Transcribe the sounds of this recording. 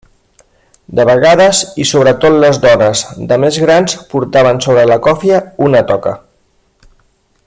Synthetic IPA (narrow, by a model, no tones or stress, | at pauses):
d̪əβəɣaðəzisoβɾət̪ot̪ləzðɔnəzd̪əmezɣɾanspuɾt̪aβ̞ənsoβɾələkɔfiəunət̪ɔkə̰